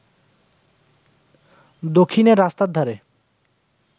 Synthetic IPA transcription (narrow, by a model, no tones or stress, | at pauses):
d̪okʰːineɾːast̪ad̪ʱaɾe